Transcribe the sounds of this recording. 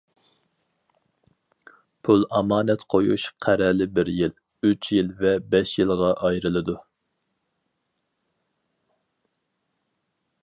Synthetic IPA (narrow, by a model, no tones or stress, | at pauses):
pʰulˠɑmɑːnɛt̪qʰojṵʃqʰæɾɛlɪbɪɾjil | yt͡ʃʰjilvɛbɛʃjilˠʁɑʔɑjɾɨlˠɨd̪u